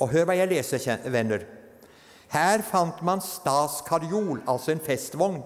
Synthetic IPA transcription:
ʔɔɦøːɾʋɑːjæɪleːsəɛʋɛnːəɾ | hæːɾfɑnt̪mɑnst̪ɑːskʰɑɾɪuːlɑlsɔenfɛst̪ʋɔŋn

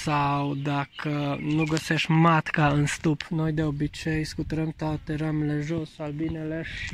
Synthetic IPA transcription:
sawd̪akʰənuɡəseʃt̪ʲmat̪kaɨnst̪upno̞jd̪eobit͡ʃejskut̪əɾəmt̪oat̪eɾameleʒosalbineleʃi

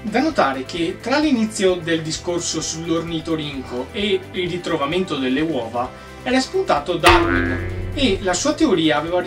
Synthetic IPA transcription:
d̪anot̪aːɾek̟et̪ːɾalːinit̪sːjod̪eld̪iskorsosulːornit̪oɾiŋkʰoeilrit̪ɾovament̪od̪elːewɔːva | ɛːɾaspunt̪aːt̪od̪aɾwḭnelasuːat̪eoɾiːaːvɛːva

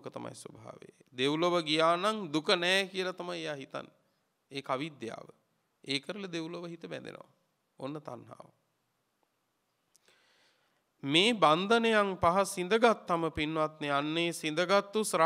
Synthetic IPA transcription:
kət̪ama̰jsobʱa̰ːʋḛ | d̪ewloʋəɡijaːnaŋd̪ukənɛːkiəlat̪amajejaːɦit̪a̰nː | eːkaʋid̪ja̰ːʋə | eːkəɾələd̪ewloʋəɦit̪əbɛ̰nd̪ḛnə̰ʋa̰ | onːət̪a̰nɦa̰ːʋə | meːband̪ənejaŋpaɦasind̪əɡat̪ːaməpinːʋat̪neanːeːsind̪əɡat̪ːusɾa

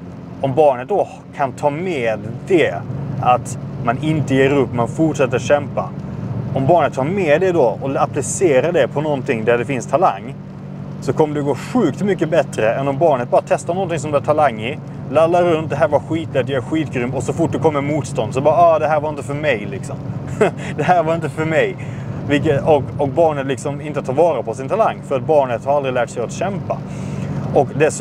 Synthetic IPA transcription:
ɔmbɑːɳət̪̚d̪ɔ | kʰant̪ʰɑːmɛːd̪ːɛat̪manɪnt̪əjeːɾɵpːmanfʊʈʂɛt̪ːəɾɕɛmpa̰ɔmbɑːɳət̪ʰːɑːɾmɛd̪ɛd̪ɔɔaplɪseːɾaɖɛpʰɔnɔnt̪ʰɪŋd̪æɖɛfɪnst̪ʰala̰ŋː | sɔkʰɔmːəɖɛɡoːɧʉ̟ːkt̪mʏkːəbɛt̪ɾəɛnːɔmbɑːɳət̪̚bɑːɾat̪ʰɛst̪aɳɔnt̪ɪŋs̬ɔmb̪lɛvt̪ʰalaŋːɪ | lalːaɾɵnt̪̚d̪ɛɦæːɾvaɾɧiːt̪lɛt̪ːjaæɾɧiːt̪ɡɾʏmɔsɔfʊʈ̚ːd̪ɛkʰɔmːəɾmuːt̪st̪ɔnd̪sɔbɑːɾaɑːd̪ɛɦæːɾvaɾɪnt̪əfœɾmɛjlɪksɔm | d̪ɛɦæːɾvaɾɪnt̪əfœɾmɛj | vɪk̬əɔkɔk̚bɑːɳət̪lɪksɔmɪnt̪ət̪ʰɑːɾvɑːɾapʰɔsɪnt̪ʰalaŋːfœɾat̪̚bɑːɳət̪haɾald̪ɾɪlæːʈsɛjat̪ɕɛmpa | ʔɔkd̪ɛs

